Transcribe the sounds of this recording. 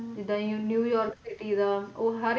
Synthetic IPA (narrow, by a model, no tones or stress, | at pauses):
d͡ʒɪd̪ãːĩõːnjuːjɔːɾksɪʈiːd̪aːoːɦəɾ